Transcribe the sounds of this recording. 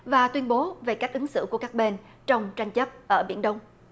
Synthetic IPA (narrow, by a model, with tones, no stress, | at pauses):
vaː˨˩t̪wi˧ənɓo˨˦ve˨˩ka˦˥k̚ʔɨ˨˦ŋsɨ̰˧˨ku˧˩əkaː˦˥k̚ɓe˧n | t͡ɕɔ˧wŋ͡mt͡ɕa˧jŋ̟t͡ɕə˦˥p̚ʔəː˧˩ɓi˧˩ənɗə˧wŋ͡m